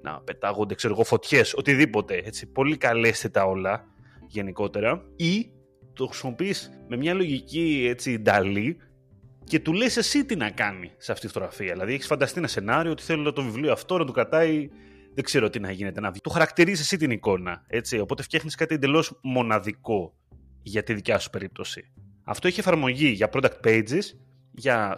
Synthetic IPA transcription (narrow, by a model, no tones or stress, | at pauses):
nɐ̰pe̞t̪ɐɣond̪e̞kse̞ɾoɣofo̞t̪çe̞so̞t̪iðipo̞t̪e̞e̞t͡sipo̞likɐle̞st̪et̪ɐo̞lɐ | ʝe̞niko̞t̪e̞ɾɐi | t̪oxɾisimo̞pisme̞mɲɐlo̞ʝicie̞t͡sid̪ɐli | ce̞t̪ule̞sesit̪inɐkɐniseɐft̪itifot̪oɣɾɐfiɐðilɐðieçisfɐnd̪ɐst̪ienɐse̞nɐɾioot̪i̥θelonɐt̪ovivlioɐft̪o̞nɐt̪okɾɐt̪ɐi | ðe̞ɡ̥ze̞ɾot̪inɐʝine̞t̪enɐvt̪oxɐɾɐkt̪iɾizesit̪iniko̞nɐ̰e̞t͡sio̞po̞t̪efçexniskɐt̪iend̪e̞lo̞zmo̞nɐðiko̞ | ʝɐt̪iðicɐsuspe̞ɾip̚t̪o̞sḭ | ɐ̰ft̪o̞eçiefɐɾmo̞ʝiʝɐpɾo̞d̪ɐk̚t̪̚pe̞jd͡zis | ʝɐ